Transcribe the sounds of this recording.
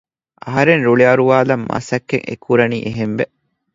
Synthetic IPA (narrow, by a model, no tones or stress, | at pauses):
ʔɐɦɐɾenɾuɭiɐɾuʋaːlɐmːa̰ːsɐkːeŋʔḛkʰːuɾɐniːʔeɦemʋe